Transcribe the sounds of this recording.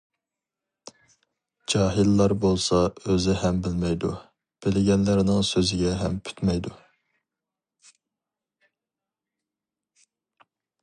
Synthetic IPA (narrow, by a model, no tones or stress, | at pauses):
d͡ʒɑːɦilːɑɾbolˠsɑøzɪɦɛmbɪlmɛjd̪u | b̥ɪlɪɡʲɛnlæɾɪnɪŋsøzɪɡʲɛɦɛmpʰy̥t̪mɛjd̪u